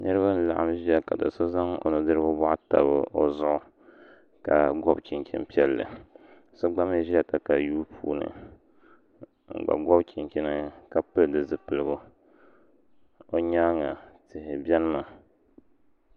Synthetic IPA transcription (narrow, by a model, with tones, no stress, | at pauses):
nɨ˦ɾɨ˦ba˦n̩˦la̰˨ʔa˦mʒi˦ja˦ka˨dɨ̰˨so˦za˦ŋo̰˨nɨ˨dɨ˦ɾɨ˦bʊ˦bɔ˦ʔa˦ta̰˨bɨ̰˦o˦zʊ˦ʔʊ˦ | ka˨ɡɔ˦bki˨nkʲḭ˦n˦pi˦ɛ˦lːɨ̰˨ | so˦ɡ͡ba˦m˦ʒi˦a˦˨ka˨ka˨juː˦pʰṵː˦nɨ̰˨ | ŋ̩˨ɡ͡ba̰˨ɡɔ˦bkʰi˨nkʲi˦nɨ˦ka˨pɨ˦ldɨ˨zɨ˨pɨ˨lɨ˨ɡʊ˦ | o˨ɲa˦ŋa˨tɨ˨hɪ˨bɛ˦nɨ˦ma˨